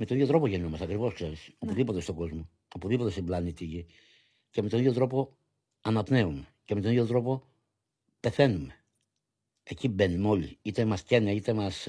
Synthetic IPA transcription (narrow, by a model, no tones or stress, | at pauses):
met̪oiðjot̪ɾo̞poʝeniomɐst̪ɐkɾivo̞skse̞ɾisopuðipo̞t̪e̞st̪o̞ɡo̞zmo̞ | opuðipo̞t̪est̪iblɐnit̪iʝi | cemet̪o̞niðjo̞t̪ɾo̞po̞ | ɐnɐpneumecemet̪oniɣjo̞t̪ɾo̞po̞ | pe̞θe̞nume | ecibenimo̞liit̪emɐscenɐit̪emɐs